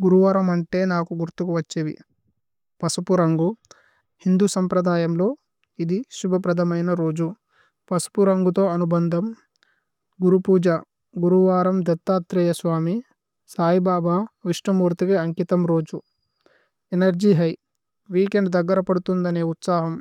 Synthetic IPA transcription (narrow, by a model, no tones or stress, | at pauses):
ɡuɾuʋaːɾɐmɐɳʈe̞ːnaːkuɡuɾt̪ukuʋɐt͡ʃːeːʋḭ | pɐsupuɾɐŋɡu | hind̪uːsɐmpɾɐd̪aːjɐmlo̞ː | id̪iʃubʱɐpɾɐd̪ʱɐmɐjnɐɾo̞ːd͡ʒu | pɐsu̥puɾɐŋɡut̪o̞ːɐnubɐnd̪ʱɐm | ɡuɾupuːd͡ʒɐ | ɡuɾuʋaːɾɐmd̪ɐt̪ːaːt̪ɾɛjɐsʋaːmi | saːjibaːbaːʋiʂʈɐmuːɾt̪ikɐɐŋkit̪ɐmɾo̞ːd͡ʒu | enɐɾd͡ʒiːɦɐj | ʋiːkeɳɖd̪ɐɡːɐɾɐpɐɽut̪und̪ɐneːut̪saːɦɐm